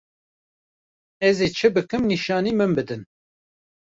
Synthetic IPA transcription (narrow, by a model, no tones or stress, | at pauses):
ɛzeːt͡ʃʰɨbɨkɨmniʃɑːniːmɨmbɨd̪ɨn